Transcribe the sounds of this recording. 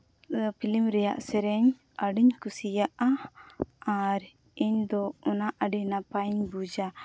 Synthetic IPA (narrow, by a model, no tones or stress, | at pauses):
pʰilimɾɛja̰ʔsɛɾɛɲ | əɖiɲkusijaʔa | aɾ | iɲd̪ɔɔnaʔəɖiɲnapajɲbud͡ʒa